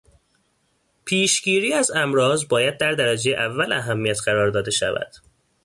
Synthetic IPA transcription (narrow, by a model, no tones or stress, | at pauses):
pʰiːʃɟiːɾiːæzæmɾɒːzbɒːjæd̪̚d̪æɾd̪æɾæd͡ʒejeʔævːælæɦæmːijæt̪ʰɢæɾɒːɾd̪ɒːd̪e̞ʃæ̰væ̰d̪̥